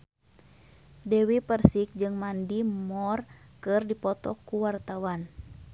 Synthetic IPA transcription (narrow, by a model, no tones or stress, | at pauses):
dɛwipərsik̚d͡ʒɨŋmandimɔrkɨrdipɔt̪ɔkuwart̪awan